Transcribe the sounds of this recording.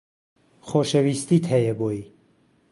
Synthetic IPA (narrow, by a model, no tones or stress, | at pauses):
χɔʃɛvist̪it̪ʰɛjɛbɔi